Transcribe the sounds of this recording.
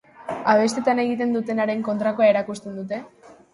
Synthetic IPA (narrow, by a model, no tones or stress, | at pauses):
aβ̞e̞st̪e̞t̪ane̞ɣ̞it̪e̞nd̪ut̪e̞naɾe̞ŋko̞nt̪ɾakoaeɾakust̪e̞nd̪ut̪e̞